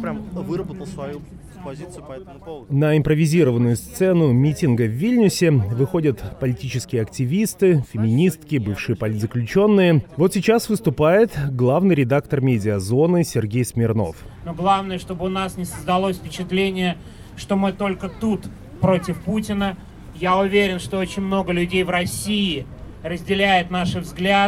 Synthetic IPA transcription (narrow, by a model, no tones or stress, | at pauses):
nəɪmpɾəvʲɪzʲiɾəvənːʊjʊst̪sɛnʊmʲitʲɪnɡəvːʲilʲnʲʊsʲɪvɨxo̞dʲət̪pəlʲɪtʲit͡ɕɪskʲɪjəɐktʲɪvʲist̪ɨfʲɪmʲɪnʲist̪kʲɪbɨfʂɨjəpɐlʲit̪zəklʲʉt͡ɕo̞nːɨjəvo̞t̪sʲɪt͡ɕasvɨst̪ʊpajɪt̪ɡlˠavnɨjɾʲɪd̪akt̪ərmʲedʲɪəzo̞nɨsʲɪrɡʲejsmʲɪrno̞̰fnoɡlˠavnəjəʂt̪o̞bɨʊnasnʲɪsəzd̪ɐlˠosʲfʲpʲɪt͡ɕɪt̪lʲenʲɪjə | ʂt̪omɨt̪o̞lʲkət̪ut̪ | pɾo̞tʲɪfputʲɪnə | jaʊvʲeɾʲɪnʂt̪o̞ot͡ɕɪnʲmno̞ɡəlʲʉdʲejvɾɐsʲiɪ | rəzʲdʲɪlʲæjʊt̪naʂɨvzɡlʲa